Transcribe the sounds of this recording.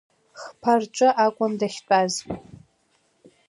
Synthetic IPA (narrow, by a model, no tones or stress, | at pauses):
χpʰart͡ʃʷʼɨʔakʷʼʊndaχʲtʼaz